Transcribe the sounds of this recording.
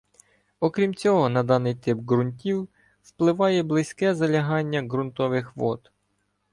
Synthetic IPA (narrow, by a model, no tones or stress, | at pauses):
ɔkɾʲimt͡sʲɔɦɔnɐd̪ɑnɪjt̪ɪp̚ɡɾʊnʲtʲiw | wplˠɪʋɑjɛblˠɪsʲkɛzɐlʲɐɦɑnʲːɐɡɾʊnt̪ɔʋɪxʋɔt̪